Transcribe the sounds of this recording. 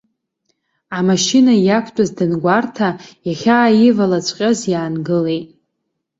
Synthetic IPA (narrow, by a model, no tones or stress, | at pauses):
amaʃinajakʷʰtʼazdɨnɡʷartʰajaχʲaːjɪvalat͡ɕʷʼqʲʼazjaːnɡɨle̞jtʼ